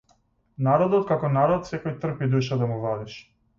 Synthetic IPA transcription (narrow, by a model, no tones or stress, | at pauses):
naɾɔd̪ɔt̪̚kakɔnaɾɔt̪sɛkɔjt̪r̩pid̪uʃad̪amuvad̪iʃ